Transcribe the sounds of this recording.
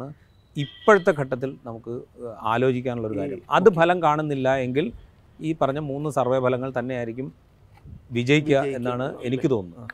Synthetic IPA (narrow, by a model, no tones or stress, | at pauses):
ɨ | ipːoɻut̪ːe̞kʰɐʈːɐt̪ːilnɐmukːɨaːlo̞ːd͡ʑikʲːaːnuɭːo̞ɾukaːɾjɐmɐ̰ðɨbʱɐlɐmkaːɳunːilːɐe̞ŋɡil | iːpɐrɐɲːɐmuːnːɨsɐrʋɐjɐbʱɐlɐŋːɐɭt̪ɐnːe̞aːjiɾikʲːum | ʋid͡ʑɐjikʲːuɐe̞nːaːɳɨenikʲːɨt̪o̞ːnːu